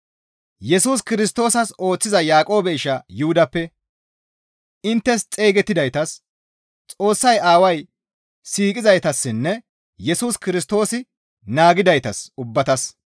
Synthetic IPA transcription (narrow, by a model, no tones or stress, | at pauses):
jɛsuːs̬kɪɾɪst̪o̞ːsɐso̞ːt͡sːɪzɐjaːkʼo̞ːbɛɪʃɐjuhʊd̪ɐpːɛ | ɪnt̪ːɛst͡sʼe̞ːɡɛt̪ːɪd̪ɐjt̪ɐs | t͡sʼo̞ːsːɐjaːwɐj | siːkʼɪzɐjt̪ɐsːɪnːɛ | jɛsuːskɪɾɪst̪o̞ːsɪ | naːɡɪd̪ɐjt̪ɐsʊbːɐt̪ɐs